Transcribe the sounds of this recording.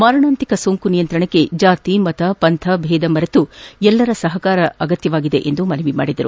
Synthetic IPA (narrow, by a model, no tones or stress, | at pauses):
maːɾɐɳaːnt̪ikɐsoːŋkunijɐnt̪ɾɐɳɐkːe̞d͡ʒaːt̪imɐt̪ɐpɐnt̪ʰɐbʱɛːd̪ɐmɐɾɐt̪uɛlːɐɾɐsɐɦɐkaːɾɐɐɡɐt̪jɐʋaːɡid̪e̞ʔend̪umɐnɐʋima̰ːɽid̪ɐɾṵ